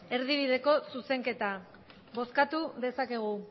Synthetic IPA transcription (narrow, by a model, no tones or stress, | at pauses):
e̞ɾðiβ̞iðe̞ko̞suse̞ŋke̞t̪a | βo̞skat̪uðe̞sake̞ɣ̞u